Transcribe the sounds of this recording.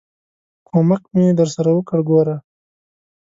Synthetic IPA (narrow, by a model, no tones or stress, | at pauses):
kʰomakmed̪əɾsaɾawəkəɽɡoɾa